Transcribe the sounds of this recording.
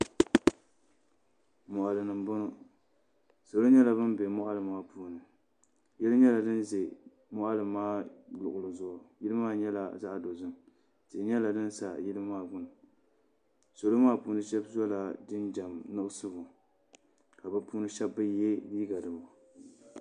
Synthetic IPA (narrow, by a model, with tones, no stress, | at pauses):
mʊ˨ʔa˨lɨ˨nɨ˨mbʊ˦nʊ˦ | so˨lo˦ɲɛ˦la˨bɨ˦mbɛ˨mʊ˦ʔa˦lɨ˨maː˦puː˦nɨ˨ | jɛ˦lɨ˦ɲɛ˦la˨dɨ˦nze˨ | mʊ˦ʔa˦lɨ˨maː˦lʊ˨ʔʊ˨lɨ˨zʊ˦˨ʔʊ˨jɪ˦lɨ˦maː˦ɲɛ˦la˨za˦ʔdo˨zɨ˦m | zɪ˨ɲɛ˦la˨dɨ˦n˦sa˨jɪ˦lɨ˦maː˦˨bʊ˦nɨ˨ | so˨lo˦maː˦puː˦nɨ˦ʃɛ˦bzɔ˦la˨dɨ˦nd͡ʒa˨mnɨ˦ʔsɨ˦bʊ˨ | ka˨bɨ˦pu˦nɨ˦ʃɛ˦bːɨ˦je˦liː˦ɡa˨dɨ˨ma˨